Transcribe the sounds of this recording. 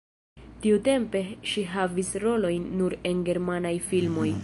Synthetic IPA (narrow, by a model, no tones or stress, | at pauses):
tiute̞mpe̞ʃiɦavisɾo̞lo̞jnːuɾe̞nɡe̞ɾmanajfilmo̞j